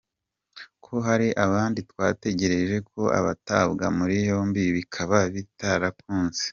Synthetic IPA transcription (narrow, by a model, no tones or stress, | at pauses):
kʰo̞ɦaɾiʔaβaːnditwaːte̞ɟe̞ɾe̞ʒe̞kʰo̞ʔa̰βataːβɡamuɾijo̞mbiβikʰaβaβitaɾakuːnze̥